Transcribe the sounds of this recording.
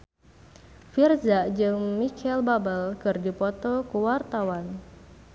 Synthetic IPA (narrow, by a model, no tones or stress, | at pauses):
firzaʔd͡ʒɨŋmikɛlbabəlkɨrdipɔt̪ɔkuwart̪awan